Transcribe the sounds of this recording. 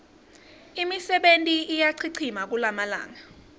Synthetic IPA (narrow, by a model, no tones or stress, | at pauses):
imisɛɓentʼiːjaǀʰiǀʰimak̬ulamala̰ːŋa